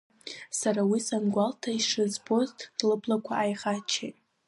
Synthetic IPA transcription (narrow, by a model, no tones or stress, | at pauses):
saɾawisanɡʷaltʰaiʂɨzbo̞ztʰrlɨbʰlakʷʰaajχat͡ʃʰḛtʼ